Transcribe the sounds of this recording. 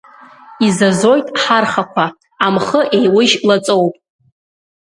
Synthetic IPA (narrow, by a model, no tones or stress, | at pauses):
izazo̞jtʼħarχakʷʰa | amχəʔe̞jwʊʒlat͡sʼo̞wpʼ